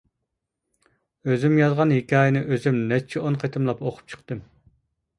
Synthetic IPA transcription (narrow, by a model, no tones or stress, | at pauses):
øzymjɑzʁɑnhekʲɑːjɪnɨʔøzymnɛt͡ʃʰɛonqʰet̪ʰɨmlˠɑpoqʰʊ̥p̚t͡ʃʰə̥qt̪ɨm